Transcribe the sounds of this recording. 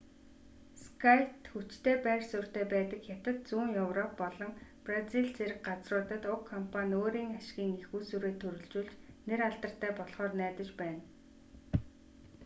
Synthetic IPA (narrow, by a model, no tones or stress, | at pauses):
skʰajt̪xut͡ɕt̪ʰeːpæːrsʊr̥t̪eːpæːt̪ə̆kxjat̪ə̆t̪̚t͡suːŋjɵwrɔpːɔɮɞ̆ŋpraziɮt͡seɾɘ̆k̚ɢat͡srʊːt̪ə̆t̪ʊkʰːɔmpʰanʲoːɾiːŋaʃɪɡʲiːŋexuːsuɾeːt̪ʰɵɾɵ̆ɮt͡ɕuːɮt͡ɕneɾaɮt̪ə̆r̥t̪ʰæːpɔɮχɔːrnæːt̪ə̆t͡ɕpæːn